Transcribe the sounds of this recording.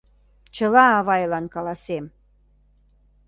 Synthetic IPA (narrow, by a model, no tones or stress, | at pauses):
t͡ɕə̆lɑːβɑjlɑnkɑlɑsem